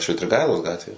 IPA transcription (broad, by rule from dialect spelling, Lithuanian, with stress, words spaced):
ʃʲʋʲɪtʲrʲɪˈɡɐɪlˠoːs ˈɡɑːtʲʋʲeː